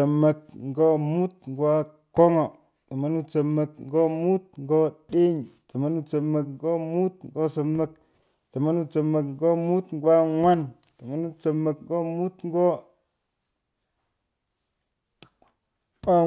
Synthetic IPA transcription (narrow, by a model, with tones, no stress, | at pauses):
ə˨mə˨kŋ˨ɡo˦mu˦tŋ˨ɡwa˦ | ko˦ŋo˨ | ta˨ma˦nu˦t͡sə˨mə˨kŋ˦ɡo˦mu˦t̚ŋ˦ɡo˦ɗe˦ɲ˨tə˨ma˦nu˦t͡sə˨mə˨kŋ˦ɡo˦mu˦t̚ŋɡo˦sə˨mə˨k | tə˨ma˦nu˦t͡sə˨mə˨kŋɡo˦mu˦tŋɡwa˦ŋwa˦n | ta˨ma˦nu˦t͡sə˨mə˨kŋ˦ɡo˦mu˦tŋ˦ɡo˦ | a˦